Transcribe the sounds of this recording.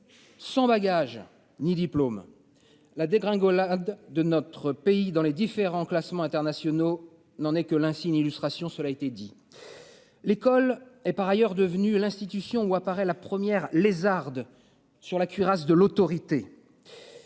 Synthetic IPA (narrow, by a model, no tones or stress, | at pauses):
sɑ̃baɡaʒ | nid̪iplom | lad̪eɡʁɛ̃ɡɔlad̪ːənɔt̪χəpeid̪ɑ̃led̪ifeʁɑ̃klasmɑ̃ɛ̃t̪ɛʁnasjɔno | nɑ̃nɛkəlɛ̃sinilyst̪χasjɔ̃səlaet̪ɛd̪i | lekɔlɛpaʁajœʁd̪əvnylɛ̃st̪it̪ysjɔ̃uapaʁɛlapχəmjɛʁlezaʁd̪ | syʁlakʲɥiʁas̬d̪əlot̪ɔʁit̪e